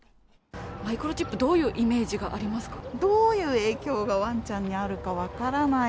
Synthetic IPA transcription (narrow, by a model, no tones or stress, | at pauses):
maikɯ̟ɾo̞t͡ɕipːɯ̟d̪o̞ːjɯ̟ːʔime̞ːʑiɡaʔaɾʲimasɨ̥kḁd̪o̞ːjɯ̟ːe̞ːkʲo̞ːɡaβãɲ̟t͡ɕãɲ̟ːiaɾɯ̟kaβakaɾana